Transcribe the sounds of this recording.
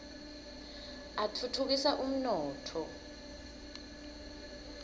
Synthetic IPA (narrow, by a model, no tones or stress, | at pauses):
atʰutʰuk̬isaʔum̩nɔːtʰɔ